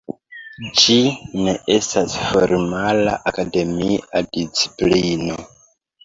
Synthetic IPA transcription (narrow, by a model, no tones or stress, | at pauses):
d͡ʒine̞ʔe̞stasfo̞ɾmala̰ʔakade̞miadit͡si̥plino